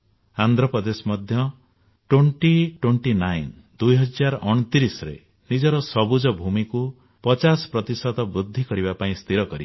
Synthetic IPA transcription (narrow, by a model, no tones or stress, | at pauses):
and̪ʱɾɔpɔd̪esmɔd̪ʱjɔ | ʈwoɳʈiʈweɳʈinajn | d̪ujɦɔd͡ʒaɾʔɔɽ̃ɔt̪iɾisɔɾḛ | nid͡ʒɔɾɔsɔbud͡ʒɔbʱumiku | pɔt͡ʃasɔ̥pɾɔt̪isɔt̪ɔbɾud̪ʱːikɔɾibapaĩst̪ʰiɾɔkɔɾi